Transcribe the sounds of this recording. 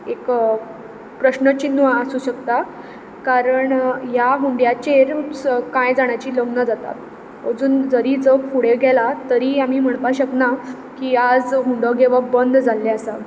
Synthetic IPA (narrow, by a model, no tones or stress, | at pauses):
ek | pɾəɕnət͡ɕinːʋəəsuːɕəkt̪a | kaɾəɳjaɦuɳɖjat͡ɕeɾskãjd͡zaɳ̃jat͡ɕiːləɡnəd͡zat̪a̰t̪̚ | əd͡zuːnd͡zəɾiːd͡zəkfʰuɽ̤eɡʱɛlat̪əɾiːam̤iːm̤əɳ̃t̪aɕəkna | kiːad͡zɦuɳɖəɡeʋabənd̪ʱd͡zalːeasa